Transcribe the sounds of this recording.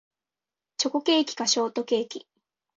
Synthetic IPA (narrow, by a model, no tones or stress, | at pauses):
t͡ɕo̞ko̞ke̞ːkʲi̥kaɕo̞ːt̪o̞ke̞ːkʲi